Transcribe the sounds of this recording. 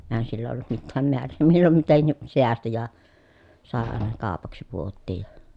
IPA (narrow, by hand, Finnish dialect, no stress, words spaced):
eˑhæn silːæ olːut mitːæːm meærˑeˑ milːom mitenːi seæsti jɑ sɑˑe ɑˑenɑ kɑːpɑksi puotːiːj jɑ